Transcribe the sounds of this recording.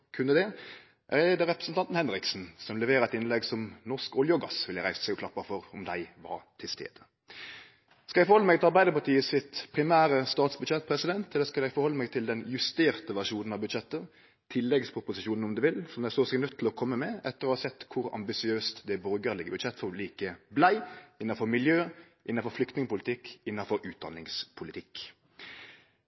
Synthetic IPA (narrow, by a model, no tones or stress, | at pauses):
kʰʉnːəd̪ɛ | ʔæɾleːd̪əɾʁɛpɾəsən̩t̪ʰɑnt̪n̩hɛnɾɪksn̩sɔmlɛʋeːɾɑɛt̪ɪnlɛɡsɔmnɔʁskɔljɔɡɑsʋɪljæɾæɪssɛɪɡɔkʰlɑpːɑfɔɾɔmd̪æɪʋɑ̰ɾt̪ʰɪlst̪ḛːd̪̥ə | skɑlɛɡfɔɾhɔlːəmɛɡt̪ɪlɑʁbæɪd̪əpɑt̪ʰiːəsɪt̪pʰɾɪmæːɾəst̪ɑːt̪sbʉd̪ʃɛt̪̚ːpʰɾɛsɪd̪ɛnt̪ɛlːəɾskɑljɛɡfɔɾhɔlːəmɛɡt̪ʰɪld̪ɛnjʉst̪eːɾt̪əʋæʁʂuːnn̩ɑbʉd̪ʃɛt̪ːə | t̪ʰɪlːɛɡspʰɾʊpʊsɪʃuːnəɔmd̪ɛʋɪlsɔmd̪æsoːsɛɡnœt̪ʰːɪlɔkʰɔmːəmɛʔɛt̪ːəʁəoɔhɑɾsɛt̪ːkʰʊɾɑ̰mbɪsɪøːst̪d̪ɛæbɔɾɡəʁlɪɡəbʉd̪ʃɛt̪ːfɔliːkəblæɪɪnːɑnfɔɾmɪljøː | ʔɪnːɑnfɔɾflʏk̚t̪nɪŋəpʰʊlɪt̪ʰɪkːɪnːɑnfɔɾʉːt̪̚d̪ɑ̰nɪŋspʰʊlɪt̪ʰɪk